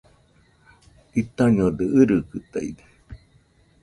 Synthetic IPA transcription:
it̪aɲod̪eɨɾɨkɨt̪a̰ḭd̪e̥

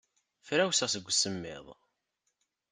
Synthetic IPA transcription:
fɾæwsæsəɡʷːsəmːɪ̰ðˤ

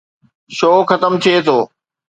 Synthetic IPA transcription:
ʃoːxɐt̪əmt̪ʰieːt̪ʰoː

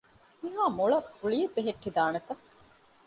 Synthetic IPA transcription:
miɦaːmuɭɐfuɭiːbeɦeʈːid̪aːnɐt̪ɐ

